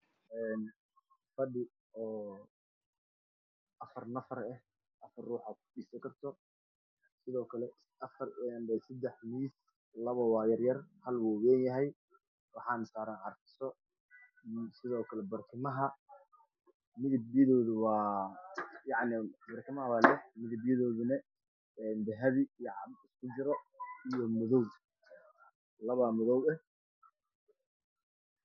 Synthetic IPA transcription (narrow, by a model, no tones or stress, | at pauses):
ʔɛːn | fɐɖɪ | ɔː | ʔɐfɐrnɐfɐrɛh | ʔɐfɐrruːħakʰʊ̥ɖiːsɐŋkʰɐrt̪ʰɔ | sɪðɔːkʰɐlɛ | ʔɐfɐrɛnɛsɐd̪ɛħmiːs | lɐβɐwɑːjɐrjɐrhɐlwuwɛːnjɐɦɛj | wɑħɑːnɐsaːɾaːnʕɑɾt̪ɪ̥sɔ | sɪðɔːkʰɐlɛbɐrt̪ʰɪmɐɦɐ | mɪðɪbjɐðɔːðʊwɑː | jɑʕnɪbɐrk̪ʰɐmɐɦɐwaːlɛħmɪðɪbjɐðɔːðʊnɛ | ɛːnb̪ɛɦɐðijɑʕɑbɪskʰʊd͡ʒɪɾɔijɔmʊðɔw | lɐβɐmʊðɔwɛ